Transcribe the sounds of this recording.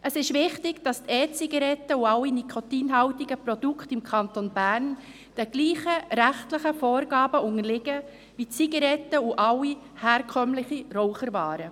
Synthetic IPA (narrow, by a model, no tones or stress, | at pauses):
ʔəsɪʃʋɪχtɪɡd̥ɑst̪ɛːt͡siɡɑɾɛtːəuɑwːinikʰotiːnɦɑwtiɡəpɾɔd̥ukχtɪmkʰɑntonb̥æːɾn | d̥ɛɡ̥liːχəɾæχtlɪχəfɔːɾɡɑːbəʊŋəɾlɪɡə | ʋit͡siɡɑɾɛtːəuʔɑwːi | hɛːɾkʰœmlɪχiɾɔwχəɾvɑːɾə